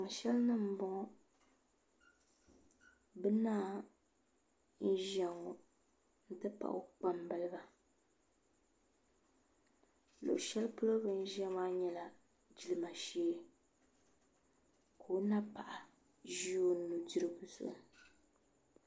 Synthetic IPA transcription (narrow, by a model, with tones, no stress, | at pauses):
ŋ˨ʃɛ˦lnɨ˦m̩˦bɔ˦ŋɔ˦ | bɨ˦naː˦ | n̩˦ʒɛ˨ŋo˨ | n̩˦tɨ˦pa̰˨ʔʊ˦k͡pa˦mbɨ˦lɨ˦ba˨ | lo̰˨ʔʃɛ˦lpʊ˦lo˦bɨ˦n̩˦ʒɛ˦m˦a˦ɲɛ˦la˨ | d͡ʒi˨lɨ˨ma˨ʃeː˦ | kʰo˨o˦na˦pa˨ʔa˨ | ʒi˦o˦n̩˦nːu˨di˦ɾɨ˦ɡu˨sʊ̰˨ʔ